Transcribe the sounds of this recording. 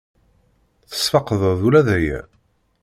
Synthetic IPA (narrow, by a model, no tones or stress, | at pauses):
θə̥sfɑqəðˤəðulæðæjæ̰